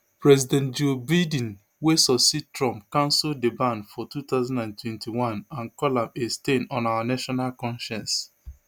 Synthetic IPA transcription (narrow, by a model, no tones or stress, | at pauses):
pɹɛzidɛ̃nt̚d͡ʒobad̃n | wesɔbsitɹɔ̃mpkãnsʊldebãnfɔtut̪aʊzãndãntwɛ̃ntiwãnãnkɔlãmestenɔ̃nawanaʃɔnalkɔ̃nʃɛ̃ns